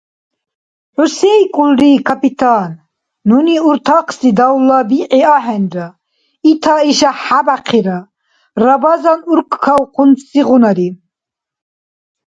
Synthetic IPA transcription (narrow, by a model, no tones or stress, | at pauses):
usɛjkʼulɾiːkʰapʰit̪ʰanː | uniuɾt̪ʰaqʰsid̪awlabiʔiaɦɛnɾa | it̪ʰaiʃaħabaqʰiɾa | ɾabazanuɾkʰkʰawqʰunsiʁunaɾi